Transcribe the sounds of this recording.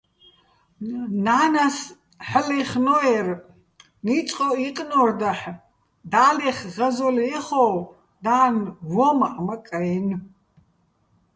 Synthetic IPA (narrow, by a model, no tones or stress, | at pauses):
naːnas | ħəliχnɔɛr | nit͡sʼqʼɔiqʼnɔrd̪aħ | d̪aːlɛχʁɐzɔliɛχɔ | d̪aːnvɔmaʔmakʼajɛn